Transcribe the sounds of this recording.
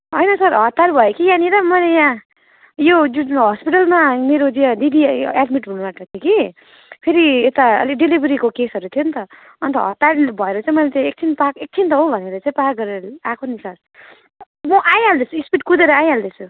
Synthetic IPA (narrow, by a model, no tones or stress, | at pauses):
ɦʌjnʌsʌɾɦʌt̪ːaɾubʱʌekijãniɾʌmʌlejã | jod͡zuɦʌspiʈʌlmameɾod̪iad̪id̪ʱiaɖmiʈɦunumaʈʌt̪ʰjoki | pʰeɾiet̪aʌ̰liɖilibʱʌɾikokesɦʌɾut̪ʰijont̪ʌ | ʌnt̪ʌɦʌt̪ːaɾbʱʌeɾʌt͡sãĩmʌlet͡saĩek̚t͡sʰinpakek̚t͡sʰint̪ʌɦobʱʌneɾʌt͡sãĩpakɡʌɾeɾʌlakʰonisʌr | mʌʔajɦald̪et͡sʰuispiʈkud̪eɾʌajɦald̪et͡sʰu